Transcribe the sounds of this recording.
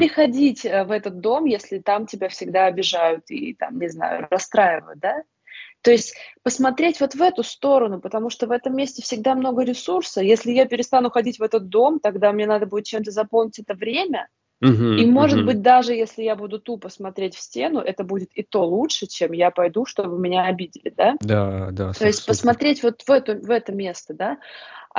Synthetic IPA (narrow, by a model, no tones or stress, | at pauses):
pɾʲɪxɐdʲitʲəvɛt̪ət̪̚d̪o̞mjesʲlʲɪt̪amtʲɪbʲafsʲɪɡ̚d̪aɐbʲɪʐajʊt̪ḭt̪a̰mnʲɪzna̰jʊ̰ɾɐst̪ɾajɪvə̰jt̪̚d̪a | t̪o̞ɪsʲtʲpəsmɐt̪ɾʲetʲvo̞t̪vɛt̪ʊst̪o̞ɾənʊpət̪ɐmuʂt̪ovɛt̪əmːʲesʲtʲɪfsʲɪɡd̪amno̞ɡəɾʲɪsursəjesʲlʲɪjapʲɪɾʲɪst̪anʊxɐdʲitʲvɛt̪ət̪̚d̪o̞mt̪ɐɡd̪amʲnʲenad̪əbudɪt̪̚t͡ɕemt̪əzɐpolˠnʲɪtʲɛt̪əvɾʲemʲə | imo̞ʐɨd̪̚bɨt̚ʲd̪aʐɨjesʲlʲɪjabud̪ʊt̪upəsmɐt̪ɾʲetʲfsʲtʲe̞n̪ʊʔɛt̪əbudʲɪt̪ɪt̪o̞lˠutʂɨt͡ɕemjapɐjd̪uʂt̪o̞bɨmʲɪnʲaɐbʲidʲɪlʲɪ̰d̪ad̪ad̪a̰t̪o̞ɪsʲt̚ʲpəsmɐt̪ɾʲetʲvo̞t̪vɛt̪ʊvɛt̪əmʲe̞st̪əd̪a